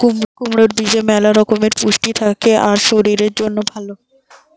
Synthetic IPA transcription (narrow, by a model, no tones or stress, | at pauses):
kumɾokumɾoɾbid͡ʑemɛlaɾɔkomeɾpuʃʈit̪ʰakeʔaɾʃoɾiɾeɾd͡ʑonːobʱalo